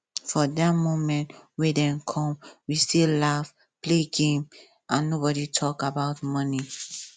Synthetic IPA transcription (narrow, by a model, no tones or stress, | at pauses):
fɔdatmõmɛ̃ntwɛdɛ̃nkʰɔ̃mwistilaf | pleɡẽm | ʔãnːobɔɾitʰɔkabaʊtmʌni